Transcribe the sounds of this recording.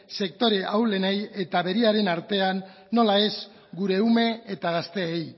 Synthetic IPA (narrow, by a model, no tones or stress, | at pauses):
se̞k̚t̪o̞ɾe̞ʔawle̞neje̞t̪aβe̞ɾiaɾe̞naɾt̪e̞anː | o̞lae̞z | ɡuɾe̞ume̞et̪aɣast̪e̞ːj